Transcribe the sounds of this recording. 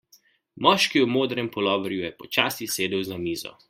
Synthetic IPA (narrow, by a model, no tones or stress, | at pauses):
mɔːʃkiwmoːd̪ɾɛmpɔlɔːʋɔɾjujɛpɔt͡ʃaːsiseːd̪ɛwzamiːzɔ̰